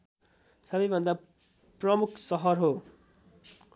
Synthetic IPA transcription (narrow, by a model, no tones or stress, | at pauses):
sʌbʌjbʱʌnd̪a | prʌmukʰsʌɦʌrɦo